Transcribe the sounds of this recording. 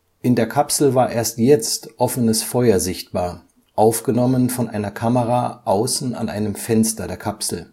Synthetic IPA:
ʔɪndeːɐkʰapsl̩vaːɐʔeːɐstjɛt͡stʔɔfənəsfɔʏɐzɪçt̚b̥aːɐ | ʔaʊfɡ̥ənɔmənfɔnʔaɪnɐkʰaməʁaːʔaʊsn̩a̰nʔaɪnəmfɛnstɐdeːɐkʰapsl̩

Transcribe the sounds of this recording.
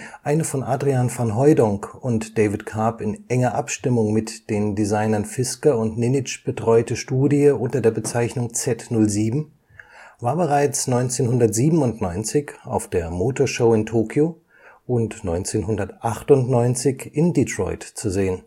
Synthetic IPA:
ʔaɪnəfɔnʔaːdʁianfanɦɔʏdɔŋkʊntd̥ɛɪvɪtkʰaːpɪnʔɛŋɐʔapʃtɪmʊŋmɪtd̥eːndizaɪnɐnfɪskɐʊntnɪnɪt͡ʃb̥ətʁ̥ɔʏtəʃtuːdiəʔʊntɐdeːɐbət͡saɪçnʊŋt͡sɛtnʊlziːbm̩ | vaːɐbəʁaɪt͡snɔʏnt͡seːnɦʊndɐtz̥iːbm̩ʊntnɔʏnt͡sɪçʔa̰ʊfd̥eːɐmoːtʰoːɐʃoʊɪntʰoːkʰjoː | ʔʊntnɔʏnt͡seːnɦʊndɐtʔaχtʊntnɔʏnt͡sɪçʔɪnditʁ̥ɔ̰ʏtt͡suzeːən

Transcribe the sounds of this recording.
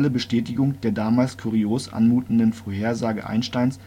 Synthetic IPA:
ləbəʃtɛːtɪɡʊŋd̥eːɐdaːmaːlskʰuʁioːsʔa̰nmuːtn̩dənfoːɐheːɐzaːɡə̰ʔa̰ɪnʃtaɪns

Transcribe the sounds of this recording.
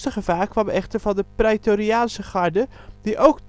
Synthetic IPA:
təχəvaːkʰʋaməʔɛxtərvɔndəprɛtoɾiaːnsəχaɹdə | diʔowk

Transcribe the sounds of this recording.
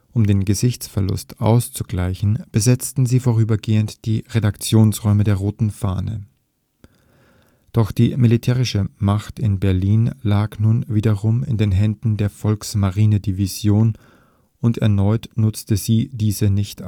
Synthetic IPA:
ʔʊmdeːnɡəzɪçt͡sfɛɐlʊ̰stʔa̰ʊst͡suɡ̥laɪçn̩b̥əzɛt͡stn̩ziːfoːʁ̞yːbɐɡeːəntd̥iːʁedakt͡sjoːnsʁɔʏmədeːɐʁoːtn̩fa̰ːnə̰ | d̥ɔxd̥iːmilitʰɛːʁ̞ɪʃəmaχtɪnbɛɐliːnlaːknuːnviːdɐʁʊmɪ̰ndeːnɦɛndn̩deːɐfɔlksmaʁiːnədiviz̥joːn | ʊntɛɐnɔʏtnʊt͡stəz̥iːdiːzənɪçt

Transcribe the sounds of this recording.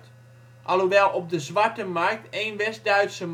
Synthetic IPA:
t | ʔaloʋɛlˠɔp̚dəzʋatəmark̚teːnʋɛsdœɥtsəm

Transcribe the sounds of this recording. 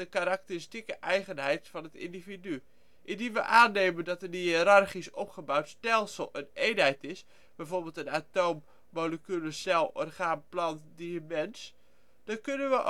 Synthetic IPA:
əkaɾak̚təstikəʔɛjχənɦɛjtfɔnətḭndividy | ʔɪndinʋəʔaːneːməndɔtənəɾarχisɔpχəbawtstɛlˠsəlˠənejnɦɛjtɪs | b̥ɛjvorbəlˠtənatowmː | oləkyləsɛlˠɔ̰rχaːmplɑntdimɛns | d̥ɔkønənʋəʔ

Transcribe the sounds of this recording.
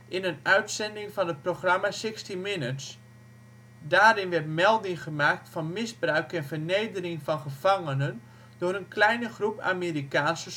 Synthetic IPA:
ʔɪnənœɥtsɛndɪŋfɔnət̚proxramasɪkstimɪnəts | daːɾɪnʋɛrtmɛlˠdɪŋχəmak̚tfɔnmɪzbrœɥkɛnfərnejdərɪŋfɔnχəvaŋənən | dʊːɾənkʰlɛjnəχrupa̰meːrikaːnsə

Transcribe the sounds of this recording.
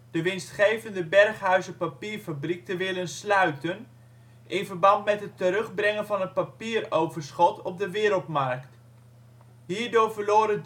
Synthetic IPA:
d̥əʋɪnstχejvəndəbɛrχɦœɥzəpapiːɹfabrik̚təʋɪlənslœɥtən | ʔɪnvərbɑntmɛtɦətːəɾɵχbrɪŋənvɑnətpapiːrowvərsχɔtɔp̚dəʋɪːɾəlˠtmɑrkt | ɦiːɹdʊːɹvəɹloːɾə

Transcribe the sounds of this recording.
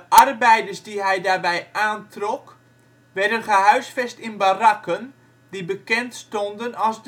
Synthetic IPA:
dəʔarbɛjdərsdiɦɛjdaːrbɛjʔaːntrɔk | ʋɛdənχəɦœɥsfɛstɪnbarakən | dibəkɛntstɔndənɑlˠzd

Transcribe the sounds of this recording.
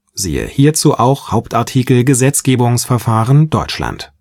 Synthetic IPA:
zḭːə̰hiːɐt͡suːʔaʊxhaʊptʔaɐtʰiːkl̩ɡəzɛt͡sɡ̥eːbʊŋsfɛɐfaːʁənd̥ɔʏt͡ʃla̰nt

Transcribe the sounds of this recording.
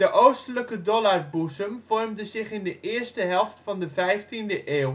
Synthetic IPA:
dəʔowstələkədɔlarbusəmv̥ɔrmdəzɪχɪndəʔɪːərstəɦɛlˠftfɑndəvɛjftindəʔeːw

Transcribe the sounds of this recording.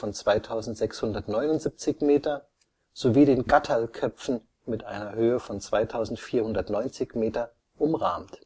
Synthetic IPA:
ɔnt͡sv̥aɪtʰaʊzn̩tz̥ɛkshʊndɐtnɔʏnʊntz̥ip̚t͡sɪçmeːtɐ | z̥oviːɾeːnɡatʰalkʰœpp͡fn̩ | mɪtʔa̰ɪnɐhøːəfɔnt͡sv̥aɪtʰaʊzn̩tfiːɐhʊndɐtnɔʏnt͡sɪçmeːtɐ | ʔʊmʁa̰ːmt

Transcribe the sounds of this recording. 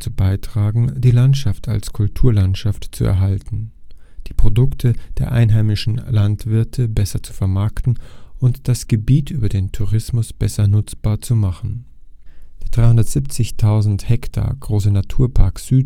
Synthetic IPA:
t͡subaɪtʁ̥aːɡŋ̩d̥iːlantʃaftʰa̰lskʰʊltʰuːɐlantʃaftt͡suɛ̰ɐɦaltn̩d̥iːpʁ̥odʊktʰəd̥eːɐʔa̰ɪnɦaɪmɪʃn̩lantv̥ɪɐtʰəbɛsɐt͡su̥fɛɐmaɐktn̩ʔʊntd̥asɡ̥əbiːtʔyːbɐdeːntʰuʁɪsmʊsb̥ɛsɐnʊt͡sb̥aːɐt͡sumaχn̩ | d̥eːɐd̥ʁaɪhʊndɐtz̥ip̚t͡sɪçtʰaʊzn̩thɛktʰa̰ːɐɡ̥ʁoːsənatʰuːɐpʰaɐkz̥yː

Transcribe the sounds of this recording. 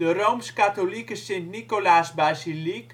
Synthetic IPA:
ərowmskatolikəsentnikolaːsbaːzilik

